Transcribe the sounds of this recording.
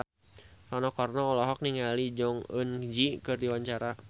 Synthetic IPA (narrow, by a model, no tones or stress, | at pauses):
sɔnɔkɔrnɔɔlɔɦɔk̚niŋalid͡ʒɔŋə̰nd͡ʒikɨrdiwaɲt͡ʃaɾa